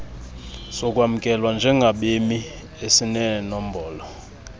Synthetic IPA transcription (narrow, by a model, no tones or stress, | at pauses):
sɔkʼwamukʼɛlwand͡ʒʱɛŋɡʱaɓemi | esinɛnɔm̩bɔːlɔ